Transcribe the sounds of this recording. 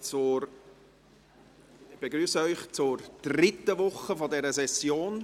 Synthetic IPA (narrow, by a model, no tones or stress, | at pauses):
t͡sʊɾ | b̥eɡɾyːsəœʏχt͡sʊɾd̥rɪt̪ːəvʊχːəfɔdɛɾəsɛsjoːn